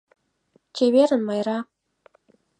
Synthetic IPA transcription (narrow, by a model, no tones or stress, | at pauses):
t͡ɕʲeβʲeɾʲɘ̆nmɑjrɑ